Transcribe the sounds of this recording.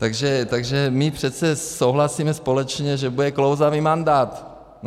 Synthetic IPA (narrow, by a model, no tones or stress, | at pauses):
t̪aɡʒɛt̪aɡʒɛmɪpr̝̥ɛt̪t͡sɛsowɦlasiːmɛspolɛt͡ʃɲɛʒɛbudɛklowzaviːmand̪aːt̪